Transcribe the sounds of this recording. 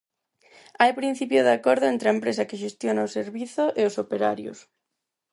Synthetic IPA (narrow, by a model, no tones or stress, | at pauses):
ajpɾĩn̟θipjʊðakoɾðʊent̪ɾɐempɾesɐkɪʃ̬est̪jonaoseɾβiθʊʔeosopeɾa̰ɾjʊ̰s